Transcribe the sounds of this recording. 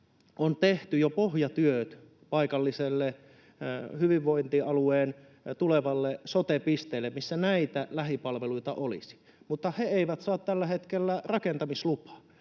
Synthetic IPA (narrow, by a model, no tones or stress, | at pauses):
ʔont̪eht̪yjopohjɑt̪yøt̪ | pɑikɑlːiselːe | hyʋiʋʋoint̪iʔɑlueːn | t̪uleʋɑlːesot̪epist̪eːlːemmisːænæit̪ælæhipɑlʋeluit̪ɑ̰ʔolḭsi̥ | mut̪ːɑheeiʋæt̪sɑːt̪t̪ælːæhet̪kelːærɑkent̪ɑmislupɑ̥